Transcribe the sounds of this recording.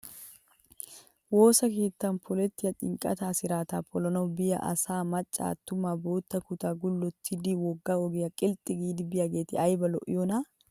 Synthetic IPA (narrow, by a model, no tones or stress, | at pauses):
woːsɐke̞ːt̪ːɐnpʰɔlɛt̪ːɪjɐt̪ʼɪ̰ŋkʼɐ̰t̪aːsɪɾaːt̪aːpʰɔlɔnɔbɪjɐ̰ʔɐ̰saːmɐt͡ʃʼːa̰ːt̪ːʊmaːbo̞ːt̪ːɐkʊt̪aːɡʊlːɔt̪ʰːɪd̪iwɔɡːaːɔɡɪjɐkʼɪlt̪ʼɪɡiːd̪ɪbɪjɐɡe̞ːt̪ɪɐjbɐlɔ̰ʔjɔnaː